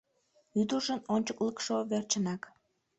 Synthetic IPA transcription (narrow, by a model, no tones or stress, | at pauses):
yd̪əʒənonʲt͡ɕəkləkʃoβert͡ɕənɑk